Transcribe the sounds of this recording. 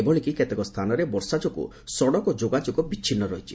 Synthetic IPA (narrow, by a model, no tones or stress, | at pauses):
ebɔɭikiket̪ekɔst̪ʰanɔɾebɔɾsad͡ʒɔkṵ | sɔɽɔkɔd͡ʒoɡad͡ʒɔkɔbit͡ʃːt͡ʃʰinːɔɾɔɦit͡ʃʰi̥